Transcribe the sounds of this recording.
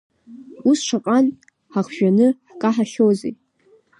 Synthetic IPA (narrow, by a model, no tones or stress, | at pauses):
usʂʰaqʼan | ħaχʒᶣanɨħkʼaħaχʲowzej